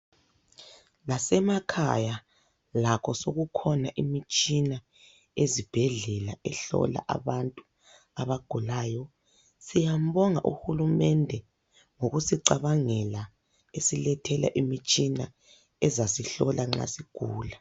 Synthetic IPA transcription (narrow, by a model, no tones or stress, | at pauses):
lasɛmakʰa̰ja | lakʰɔsoɣukʰɔnaʔimit͡ʃʼina | ezib̥ʱɛɮɛla̰ɛɬɔ̰la̰ʔa̰βantʼu | aβaɡ̥ʱulaːjɔ | sijam̩βɔŋa̰ʔṵhulumɛndʱɛ | ŋoɣusiǀaβaŋɛla | esilɛtʰɛla̰ʔimit͡ʃʼina | ɛzasiɬɔlʔaŋ͡ǁa̰siɡ̥ʱuːla